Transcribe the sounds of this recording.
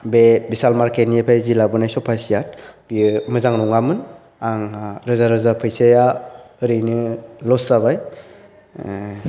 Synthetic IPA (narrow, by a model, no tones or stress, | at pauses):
bebisalmaɾkʰeniepʰajzilabɯnajsɔpʰasijat̚b̥imɯzaŋnɔŋamɯn | aŋaɾɯzaɾɯzapʰɯjsejaɯɾɯjnɯlɔsaβaj